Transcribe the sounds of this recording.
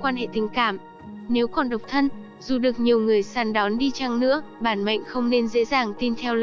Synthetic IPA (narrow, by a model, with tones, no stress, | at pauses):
kwaː˧nɦḛ˧˨t̪ï˨˩ŋ̟kaː˧˩m | ne˨˦wkɔ˨˩nɗə˨˩wk͡p̚t̪ʰə˧n | zu˨˩ɗɨ˨˩ək̚ɲi˨˩əwŋɨ˨˩əjsaː˨˩nɗɔ˨˦nɗi˧t͡ɕa˧ŋnɨ̰˧˥əɓaː˧˩nma̰˧˨jŋ̟xə˧wŋ͡mne˧nzḛ˧˥zaː˨˩ŋt̪i˧nt̪ʰɛ˧w